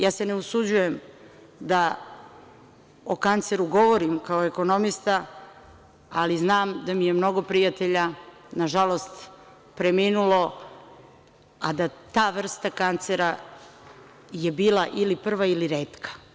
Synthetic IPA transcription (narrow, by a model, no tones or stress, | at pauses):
jaːse̞neusud͡ʑuje̞m | d̪a | okant̪seɾuɡo̞ʋo̞ɾimkaoe̞ko̞no̞mist̪a | aliznaːmd̪amijemno̞ɡo̞pɾijat̪e̞ʎa | naʒalo̞st̪ | pɾe̞minulo̞ | ad̪at̪aːʋr̩st̪akant̪seɾa | je̞biːlˠaʔilipr̩ʋailiɾeːt̪kʰḁ